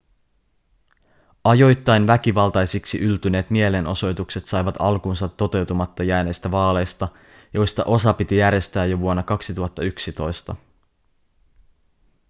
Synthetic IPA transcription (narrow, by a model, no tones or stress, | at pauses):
ɑjo̞jt̪ːɑjnʋæk̟iʋɑlt̪ɑjsiksiʔylt̪yne̞ːt̪mie̞lenʔo̞so̞jt̪ukse̞t̪sɑjʋɑt̪ɑ̰lkuːnsɑt̪ːo̞t̪e̞wt̪umɑt̪ːɑjæːne̞jst̪æʋɑːle̞jst̪ɑ | jo̞jst̪ɑ̰ʔo̞sɑpit̪ijæɾje̞st̪æːjoʋuonːɑkɑksit̪uɦɑt̪ːɑyksit̪o̞jst̪ɑ